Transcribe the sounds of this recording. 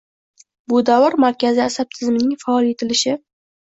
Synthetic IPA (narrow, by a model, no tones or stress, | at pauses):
bʊd̪avɨɾmaɾkʲazɪasab̚t̪ʰɪzmɪnɪŋfaɒlˠe̞t̪ʰɪlɪʃɪ